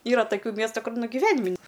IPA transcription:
ˈiːrɐ tɐˈkʲuː ˈmʲiɛstʊ ˈkʊr nʊ ɡʲɪˈʋʲæːnʲɪmʲ nʲɪ

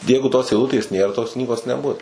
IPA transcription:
ˈjɛɪɡʊ toːs ɛɪˈlˠʊtʲeːs ˈnʲeːr toːs ˈknʲiːɡoːs nʲɛˈbʊs

